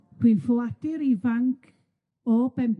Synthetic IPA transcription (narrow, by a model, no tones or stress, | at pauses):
r̥winflad̥ɪɾivaŋkʰ | ɔbɛmp